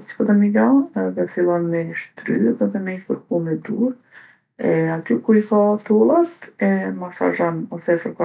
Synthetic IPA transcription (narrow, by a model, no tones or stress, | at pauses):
t͡ʃkɔd̪ɛmijɔɛðɛfilˠɔnmɛʃt̪ɾy̰ðɛðɛmɛiθpəɾkumɛd̪uɾ | ɛat̪ykuiθat̪ulˠat̪ɛmasa̰ʒɔnɔsɛfəɾka